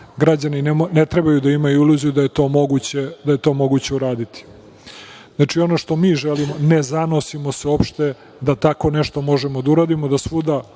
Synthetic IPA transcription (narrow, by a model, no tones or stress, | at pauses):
ɡɾad͡ʑaninnet̪ɾe̞bajud̪aimajuluzud̪ajet̪o̞ːmoɡut͡ɕe̞d̪aje̞t̪o̞ːmo̞ɡut͡ɕe̞uɾaːd̪it̪i̥ | znat͡ʂio̞noʃt̪o̞miːʒelimo̞nezano̞simo̞seopʃt̪e̞ | d̪at̪ako̞ne̞ʃt̪o̞mo̞ʒemod̪auɾaːd̪imo̞d̪asʋud̪a